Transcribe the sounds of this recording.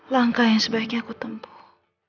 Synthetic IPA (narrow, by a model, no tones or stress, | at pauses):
laŋkajaŋsəbaikɲakut̪əmpu̥